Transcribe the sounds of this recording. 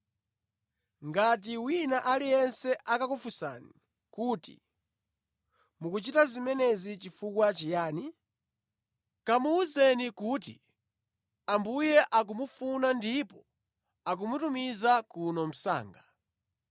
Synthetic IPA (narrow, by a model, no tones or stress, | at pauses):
ŋɡat̬iwinaʔalijɛnsɛʔakakufusa̰ni | kuːtḭ | mukut͡ʃitazimɛnɛzit͡ʃifukwat͡ʃijaːni | kamuuzɛnikutḭ | ambujɛʔak̬umufunandipɔ | ak̬umutumizakunɔm̩sa̰ːŋɡa